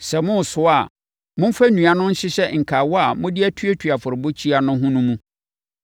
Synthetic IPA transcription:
sɛ˨mʊ̃˦˨sʊ˦a˨ | mʊ̃˦m̩˦fæ˦nũ˨a˦nʊ̃˦n̩˦ɕɪ˦ɕɛ˦ŋ̩˨kʰa˨wɔ˦a˨mʊ̃˦dɪ˦æ˦tʰu˦e˦tʰɥa˨fʊ˨ɾɪ˨bo˦t͡ɕʰi˦a˨nʊ̃˦ɦũ˦nʊ̃˦mũ˦

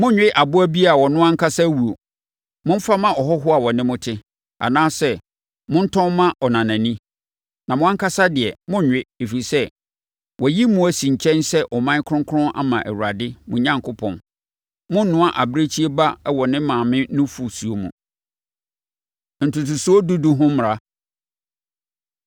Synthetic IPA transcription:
mʊ̃˦ɲᶣ˦ɪ˦ʔa˨bʊ˦æ˦bi˦a˨wɔ˨nʊ̃˦ã˦ŋkʰa˦sa˦wu˨o˨ | mʊ̃˦m̩˦fa˦mã˦ɔ˨ɦɔ˦ɦʊ˦a˨wɔ˨nɪ̃˦mʊ̃˦tʰɪ˦ | a̰˨nãː˦sɛ˦ | mʊ̃˦n̩˦tʰɔ̃˦mã˦ɔ˨nã˨nã˨nĩ˦ | nã˨mʊ̃˦ã˦ŋ˦kʰa˦sa˦dɪ˨ɛ˨mʊ̃˦ɲᶣ˨ɪ˦e˨fi˨i˨sɛ˦ | wɔ˨ji˦mũ˨æ˨sĩ˨ɲ̩˨t͡ɕʰɛ̃˦nsɛ˦ʔɔ˨mã˦kʰʊ˦ʊ̃˦ŋkʰʊ˦ɾʊ̃˦nʔa̰˦mã˨ʔæ̰˨wu˨ɾa˨dɪ˦mʊ̃˨ɲã˦ŋkʰʊ˦pʰɔ̰̃˨n | mʊ̃˦n̩˦nʊ̃˦a˨ʔa˨bɾe˦t͡ɕʰi˦e˦ba˦wɔ˨nɪ̃˦mãː˨mɪ̃˦nʊ̃˦fu˨su˨o˨mṵ̃˨ | n̩˨tʊ˨tʰu˨su˦o˦du˦du˦ɦʊ̃˦m˨ɾa˦

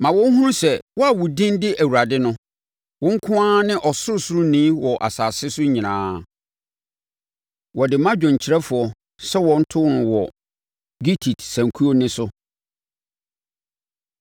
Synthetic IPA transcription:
mã˨wɔ̃˦ŋ̩˦ɦũ˦ʊ̃˦sɛ˨wɔ˦a˨wʊ˨dɪ̃˦ndɪ˦ʔæ˨wu˨ɾa˨dɪ˦nʊ̃˦ | wɔ̃˦ŋ̩˦kʰʊ̃˦ã˦nɪ̃˦ʔɔ˨sʊ˦sʊ˦ɾʊ̃˦nĩː˦wɔ˨ʔa̰˨saː˨sɪ˦sʊ˦ɲĩ˨nãː˦ | wɔ˨dɪ˨mã˦d͡ʑᶣɔ̃˨ɲ˨t͡ɕʰɪ˨ɾɛ˦fʊ˨ɔ˨ | sɛ˦wɔ̃˨n̩˦tʰʊ˦nʊ̃˨wɔ˨ | ɡi˦tʰi˨tsæ̃˨ŋ˨kʰu˦o˦nɪ̃˦sʊ˦

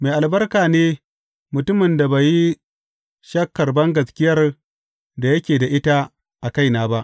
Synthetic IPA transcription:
me˨ʔa˨lbɐ˦rkaː˨neː˦ | mʊ˨tʊ˦mɪ˨nda˨ba˨ji˦ | ʃɐ˦kːɐ˨rbɐ˦ŋɡɐ˨skʲɪ˦jɐ˦r | da˨jɐ˦kʲeː˨da˨ʔɪ˦ta˦ | ʔa˨ka˦jnaː˨˦ba˦ʔ

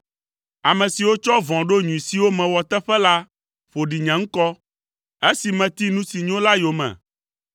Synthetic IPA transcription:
a˨mɛ̃˨si˨wo˦t͡ʃɔ˦vɔ̃˨ɖo˦ɲũ˨i˨si˦wo˦mɛ̃˨wɔ˨t̪ɛ˦ɸɛ˦la˦ | ɸo˨ɖi˨ɲɛ̃˨ŋ̩˦kɔ˦ | e˦si˨mɛ̃˨t̪i˦nũ˦si˨ɲɔ̃˦la˦jo˨mɛ̰̃˨

